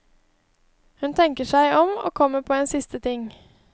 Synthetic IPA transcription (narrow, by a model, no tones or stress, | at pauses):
hʉnt̪ʰɛŋkəʃæɪʔɔmo̰ːkʰɔmːəpʰoːeːnsɪst̪ət̪ʰɪŋ